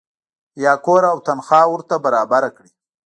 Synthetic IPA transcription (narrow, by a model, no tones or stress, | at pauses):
jɑːkoɾawt̪anxɑːwʊɾt̪abaɾɑːbaɾakɽi